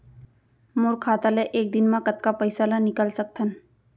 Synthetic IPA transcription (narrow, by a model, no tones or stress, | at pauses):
moːɾkʰaːt̪aleʔeːk̚d̪ɪnmãkət̪kapəjsalanɪkəlsək̚t̪ʰən